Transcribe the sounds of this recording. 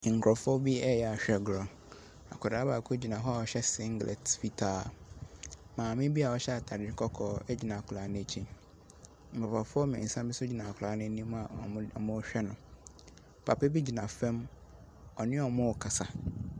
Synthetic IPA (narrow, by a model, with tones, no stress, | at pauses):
ŋ̩˨kʰɾɔ˨fɔ˦bi˦ɛ˦jɛ˨a˨ɕᶣɛ˨ɡɾɔ̃˨ | a̰˨kʰʊ˨ɾa˨˦baː˨kʰʊ˦d͡ʑi˨nã˨ɦɔ˦a˨ɔ˨ɕɛ˦sɪ̃˦ŋ˦ɡlʔɛ̰˨tfi˦tʰaː˦˨ | mãː˨mɪ̃˦bi˦a˨ɔ˦ɕɛ˦a˨tʰa˨ɾɪ˨˦kʰɔ˦kʰɔː˨ɛ˦d͡ʑi˨nã˨a˨kʰʊ˨la˨˦nɪ̃˦˨t͡ɕʰĩ˦ | ŋ̩˨kʰɾɔ˨pʰa˨fʊ˦ɔ˦mɪ̰̃˨n̩˨sã˦mbɪ˦sʊ˦d͡ʑi˨nã˨kʰla˨˦nʊ̃˦nĩ˦m˦a˨ɔ̃˨˦ɔ˨mʊ̃˦ɕᶣɛ˦nʊ̃˨ | pʰa˨pʰɛ˦bi˦d͡ʑi˨nã˨fɛ̃˦m | ɔ˨nɪ̃˦ɔ˨mʊ̃˦˨kʰa˨sa˨